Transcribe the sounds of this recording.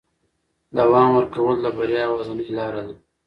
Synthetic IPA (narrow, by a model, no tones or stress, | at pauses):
d̪aːwɑːmwəɾkɐwəld̪abaɾjɑːwazanlɑːɾal